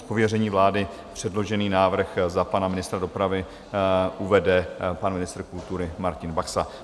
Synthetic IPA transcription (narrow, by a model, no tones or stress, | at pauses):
po̞vjɛrɛɲiːvlaːdɪ | pr̝̥ɛdlo̞ʒɛniːnaːvr̩xzapanamɪnɪst̪ɾado̞pɾavɪ | ʔuvɛdɛpanmɪnɪst̪r̩kult̪uɾɪmaɾcɪnbaxsa